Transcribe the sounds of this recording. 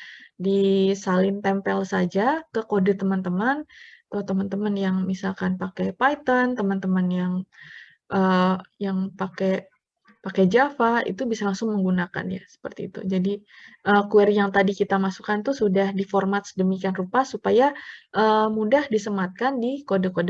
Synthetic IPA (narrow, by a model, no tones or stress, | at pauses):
disalɪnt̪ɛmpɛlsad͡ʒakəkodət̪əmant̪əmanat̪at̪əmant̪əmənjaŋmisalkanpakɛpajt̪ənt̪əmant̪əmənjaŋ | ʔəjaŋpakɛ | pakɛd͡ʒafaḭt̪ubisalaŋsʊŋməŋɡunaka̰nja̰sə̥pərt̪iːt̪ṵd͡ʒadiʔəkuɛrjaŋt̪adikit̪amasu̥kant̪usudahdiformat̪sədəmikianrupasupajaʔəmudahdisəmat̪̚kandikodəkod